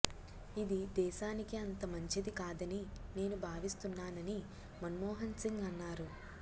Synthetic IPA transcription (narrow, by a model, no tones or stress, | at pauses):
id̪id̪ɛːʃaːnikiɐnt̪ɐmɐɲt͡ʃid̪ikaːd̪ɐnine̞ːnubʱaːʋist̪unːaːnɐni | mɐnmɔːɦɐnsiŋɡɐnːaːɾu